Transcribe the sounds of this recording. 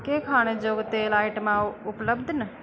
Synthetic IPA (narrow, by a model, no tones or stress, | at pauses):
kekʰaːɽ̃ed͡ʒoːɡt̪elaːɪʈmãʊpləbd̪ʱnə